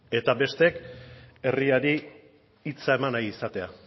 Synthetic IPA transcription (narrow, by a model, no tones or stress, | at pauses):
e̞t̪abe̞st̪e̞ke̞riaɾiː | t͡sae̞manajisat̪e̞a̰